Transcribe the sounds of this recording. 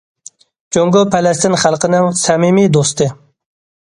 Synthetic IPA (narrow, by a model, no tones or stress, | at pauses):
t͡ʃoŋɡopalast̪inχalqənawsamimid̪ost̪e